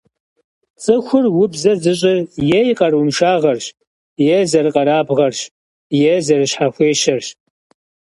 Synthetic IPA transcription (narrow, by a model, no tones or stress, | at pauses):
t͡sʼɨxʷʊrwʊbzɐzɨɕʼɪrjɛjqɐrwʊmʃaːʁɐrɕ | jɛzɐrɨqʼɐɾaːbʁɐrɕ | jɛzɐrɨɕħaxʷeːʃɐrɕ